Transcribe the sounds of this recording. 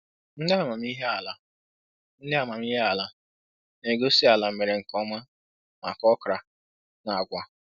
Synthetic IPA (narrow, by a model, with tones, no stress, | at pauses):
n̩˦dɪ˦a˨ma˨m˦i˦ɦe˦a˨la˦ | n̩˦dɪ˦a˨ma˨m˦i˦ɦe˦a˨la˦ | ne˨ɡo˦si˦a˨la˨m̩˨me˨ɾe˨ŋ̩˨kɔ˦ma˦ | ma̰˨kɔ˦kɾa˨ | na˨a˨ɡʷa˨